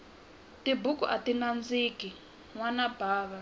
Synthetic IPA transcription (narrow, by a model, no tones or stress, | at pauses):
tibukuʔatinand͡ziːki | ŋwanabʱaːβa